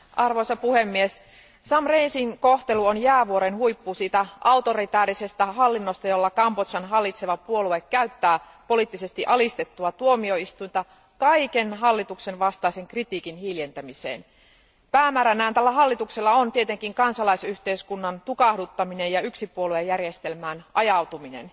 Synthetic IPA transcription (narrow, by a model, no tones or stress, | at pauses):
ʔɑrʋojsɑpuhe̞mːies | sɑmreinsiŋko̞ht̪e̞luonjæːʋuo̞ɾenhujpːuːsiːt̪æʔɑut̪o̞ɾit̪æːɾise̞st̪æɦɑlːinːost̪ɑjo̞lːɑkɑmpot̪sɑnɦɑlːit̪se̞ʋɑpuo̞lue̞kːæyt̪ːæː | po̞liˑt̪ːise̞st̪iʔɑlist̪e̞t̪ːuɑt̪uo̞mio̞ist̪ujnt̪ɑ | kɑikenɦɑlːit̪ukse̞nʋɑst̪ɑiseŋkrit̪iːkinhilje̞nt̪æmisḛːn | pæːmæːɾænæhænt̪ælːæɦɑlːit̪ukselːɑont̪ie̞t̪e̞ŋkiŋkɑnsɑlɑisyçt̪e̞iskunːɑnt̪ukɑhdut̪ːɑmine̞jɑyksipuolue̞jærjest̪e̞lmæːnʔɑjɑwt̪uminḛn